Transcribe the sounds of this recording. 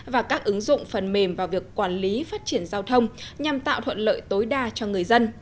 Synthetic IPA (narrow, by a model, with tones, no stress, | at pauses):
vaː˨˩kaː˦˥k̚ʔɨ˨˦ŋzʊ̰˧˨ŋ͡mfə˨˩nme˨˩mvaː˨˩wvi˨˩əkːwaː˧˩nli˨˦faː˦˥t̚t͡ɕi˧˩ənzaː˧wt̪ʰə˧wŋ͡mɲa˨˩mt̪a̰ː˧˨wt̪ʰə̰˧˨nlə̰ː˧˨jt̪o˨˦jɗaː˧t͡ɕɔ˧ŋɨ˨˩əjzə˧n